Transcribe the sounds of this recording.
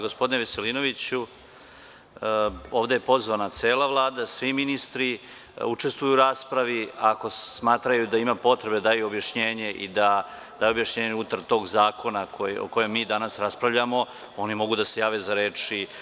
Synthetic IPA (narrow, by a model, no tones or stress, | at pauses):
ɡospo̞d̪ineʋeselino̞ʋit͡ɕu | o̞ːʋd̪ejepo̞zʋanat̪seːlaʋlˠaːd̪asʋiminist̪ɾi | ut͡ʂe̞st̪vujuːɾaːspɾaʋiako̞smaːt̪ɾajud̪aimapo̞t̪ɾe̞b̪ad̪aːjuobjaʃɲeːɲe̞ʔḭd̪a | d̪aːjuo̞bjaʃɲeːɲeut̪aɾt̪o̞ːɡzaːko̞nakoo̰ko̞jemːiːd̪anasɾaspɾavʎamo̞ | o̞nimo̞ɡud̪ase̞jaːʋezaɾeːt͡ʂi